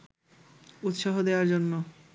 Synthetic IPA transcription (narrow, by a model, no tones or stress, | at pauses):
ut̪ʃaɦod̪eaɾd͡ʑonːo